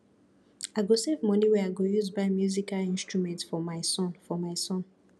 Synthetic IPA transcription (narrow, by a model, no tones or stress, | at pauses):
aɪɡosevmɔ̃niwɛaɪɡojuzbaɪmjuzikalĩnstɹumɛ̃ntfɔmaɪsɔ̃nfɔmaɪsɔ̃n